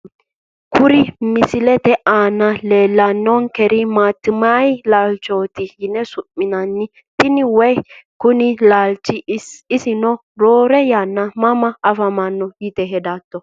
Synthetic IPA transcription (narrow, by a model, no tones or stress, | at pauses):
kʰʊɾɪmɪsɪlɛt̪ɛaːnːɐleːlːɐnːɔnkɛɾɪmaːt̪ːɪmajlaːlt͡ʃoːt̪ɪhɪnːɛsʊpːɪnɐnːɪ | t̪ɪnɪwɔjkʊnɪlaːlt͡ʃːɪɪsɪnɔ | ɾoːɾɛjaːnːɐmɐmɐːfɐmanːɔjɪt̪ɛɦɛd̪at̪ːɔ